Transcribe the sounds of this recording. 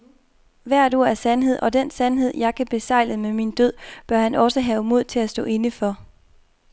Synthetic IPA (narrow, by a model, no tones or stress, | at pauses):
ʋæɐ̰ɾ̥o̝ɐ̰æɐsænɦe̝ð̰ˠʔɒ̽d̥en̰sænɦe̝ð̞̰ˠjɑ̈ɪkʰæb̥e̝sɑ̈ɪ̰ləmemind̥øð̰ˠb̥ɶɐhænɒ̽səɦɛʊmo̝ð̞̰ˠt͡sʰe̝læsd̥ɔ̰̽ːe̝nəfɒ̽